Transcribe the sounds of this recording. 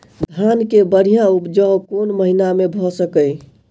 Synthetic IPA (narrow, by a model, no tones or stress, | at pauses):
d̪ʱankebəɽijãupd͡ʒəkonməɦinamebʱɔsəkəj